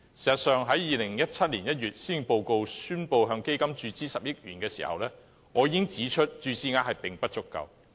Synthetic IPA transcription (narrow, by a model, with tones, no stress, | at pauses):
si˨˩sɐ˨t̚sœː˨˧ŋɦɐ˨˥jjiː˨lɪ˨˩ŋjɐ˥t̚t͡sʰɐ˥t̚liː˨˩njɐ˥t̚ɥyː˨t̚siː˥˩ŋpo˧wko˧wsyː˥npo˧wɦœː˧ŋke˥jkɐ˥mt͡ʃyː˧t͡siː˥sɐ˨p̚jɪ˥k̚jyː˨˩nkɛː˧sḭː˨˩hɐ̰˨wlɛː˥ | ŋɔː˨˧jiː˧ɪ˥ŋt͡siː˨˥t͡ʃʰɵ˥t̚t͡ʃyː˧siː˨˥ŋaː˧hɐ˨jpɪ˨ŋpɐ˥t̚t͡ʃʊ˥kːɐ̰˨w